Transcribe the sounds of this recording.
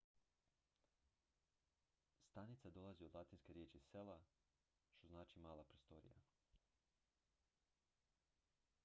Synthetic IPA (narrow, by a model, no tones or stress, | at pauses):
st̪anit̪sad̪o̞lˠaziod̪lat̪inskeɾjet͡ʃisela | ʃt̪o̞znaːt͡ʃimaːlˠapɾost̪oɾḭja̰